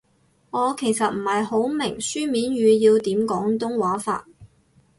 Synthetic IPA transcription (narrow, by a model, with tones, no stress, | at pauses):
ŋɔː˨˧kʰe˨˩jsɐ˨t̚m̩˨˩hɐ˨jho˨˥wmɪ˨˩ŋsyː˥miː˨˥nɥyː˨˧jiː˧wt̪iː˨˥mkɔː˨˥ŋt̪ʊ˥ŋwaː˨˥fa̰ː˧t̚